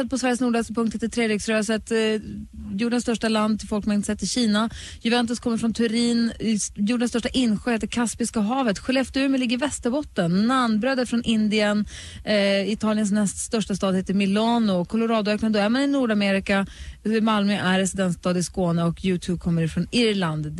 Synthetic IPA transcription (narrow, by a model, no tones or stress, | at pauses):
ɛt̪̚pʰɔsvæɾjəsnuːɖɛspʰɵŋt̪het̪ɪt̪ʰɾeːd̪ɪɡsɾøːsət̪ | juːɖɛnst̪œʂʈaland̪̚t̪ʰɪlfɔlkmanɪnsɛt̪ːɪɕiːna | jɵvɛnt̪ɵskʰɔmːəɾfɾɔnt̪ʰʉɾiːnjuːɖɛnst̪œʂʈaʔɪnɧøːheːt̪əɾkʰaspɪskaɦɑːvət̪ɧɛlɛft̪əʉːmɛlɪɡːəɾvɛst̪əɾbɔt̪ːənːanbɾøːd̪æɾfɾɔnʔɪnd̪ɪən | ɪt̪ʰɑːlɪəns̬nɛst̪st̪œʂʈast̪ɑːd̪heːt̪əmɪlɑːnʊkʰʊlʊɾɑːd̪ʊøːknand̪ɔæɾmanɪnuːɖameːɾɪkaɪmalmœʔæɾɾɛsɪd̪ɛnt̪st̪ɑːd̪ɪskoːnəɔkʰjʉ̟ːt̪ʰʉːb̚kʰɔmːəɾɪfɾɔnɪɾland̪